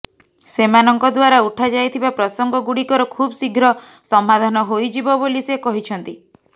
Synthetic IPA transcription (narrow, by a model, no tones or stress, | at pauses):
semanɔŋkɔd̪waɾauʈʰad͡ʒajt̪ʰibapɾɔsɔŋɡɔɡuɽikɔɾɔkʰubsiɡʱɾɔsɔmːad̪ʱanɔɦojd͡ʒibɔbolisekɔɦit͡ʃʰɔnt̪i